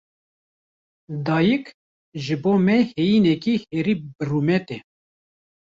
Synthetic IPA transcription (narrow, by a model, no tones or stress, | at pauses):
d̪ɑːjək | ʒɨboːmɛhejiːnɛkiheːɾiːbɨrumɛt̪ɛ